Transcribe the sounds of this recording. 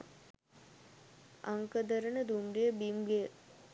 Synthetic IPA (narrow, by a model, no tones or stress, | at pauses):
aŋkəd̪əɾənəd̪umɡejəbimɡejə